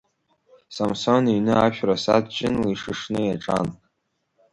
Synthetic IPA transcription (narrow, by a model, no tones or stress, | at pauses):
samsoninɨaʃᶣʰrasa̰dt͡ʃʼɪnliʂɨʂnɨjaʈ͡ʂʼa̰n